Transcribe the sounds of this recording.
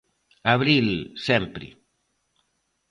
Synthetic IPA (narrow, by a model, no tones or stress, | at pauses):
aβɾilsempɾḭ